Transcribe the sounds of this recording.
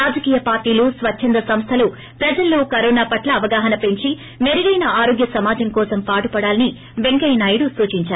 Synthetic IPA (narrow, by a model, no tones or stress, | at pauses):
ɾaːd͡ʒɐkiːjɐpaːɾʈiːluːsʋɐt͡ʃt͡ʃʰːɐnd̪ɾɐsɐmst̪ʰɐlu | pɾɐd͡ʒɐlːoːkɐɾoːnaːpɐʈlɐːʋɐɡaːɦɐnɐpe̞ɲt͡ʃi | meɾiɡɐjnɐaːɾo̞ːɡjɐsɐmaːd͡ʒɐŋkɔːsɐmpaːʈupɐɽaːlɐni | ʋeŋkɐjnaːjuɽusuːt͡ʃiɲt͡ʃaːɾu